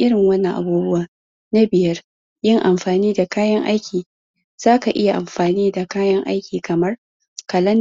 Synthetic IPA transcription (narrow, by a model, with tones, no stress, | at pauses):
ʔɪ˦ɽɪ˨ŋwɐ˦nːɐ˨ŋʔa̰˨buː˦bʊ˦waː˨ | na˦bɪ˨jɐ˦r | jɪ˦ŋʔa˨mɸaː˨niː˦da˨kaː˦jɐ˦ŋʔa̰˦jkʲiː˨ | z̥aː˦ka˨ʔɪ˦ja˨ʔa˨mɸaː˨niː˦da˨kaː˦jɐ˦ŋʔa̰˦jkʲiː˨kʰɐ˨mɐ˦r | kɐ˨lɐ˦n